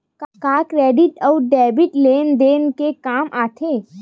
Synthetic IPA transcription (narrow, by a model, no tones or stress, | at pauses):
kkaːkɾeːɖɪʈɔːɖɛːbɪʈleːnd̪eːnkekaːmʔaːt̪ʰeː